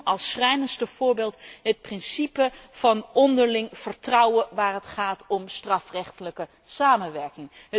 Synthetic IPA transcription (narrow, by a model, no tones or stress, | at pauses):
ɑlˠsrɛjnənstəv̥ʊːɹbeːlˠtɦət̚prɪnsipəv̥ɑnɔndəɹlɪŋv̥əɹtrʌwəʋaːrɦətχaːtʰɔmstrɑfrɛχtələkə | saːmənʋɛɹkɪŋə